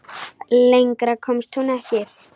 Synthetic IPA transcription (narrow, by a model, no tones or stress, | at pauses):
lejŋkɾakʰɔmst̪hunɛhcɪθ